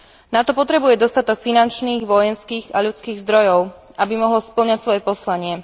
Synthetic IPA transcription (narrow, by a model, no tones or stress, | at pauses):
nat̪ɔpɔt̪ɾɛbujɛd̪ɔst̪at̪ɔkfinant͡ʃniːɣʋɔjɛnskiːɣaʎut͡skiːɣzd̪ɾɔjɔʊ | ʔabimɔɦlɔspl̩ɲacsʋɔjɛpɔslaɲɪɛ